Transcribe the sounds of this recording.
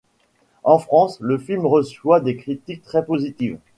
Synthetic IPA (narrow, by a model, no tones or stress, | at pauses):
ɑ̃fχɑ̃sləfilmʁəswad̪ekχit̪ik̚t̪χɛpozit̪iv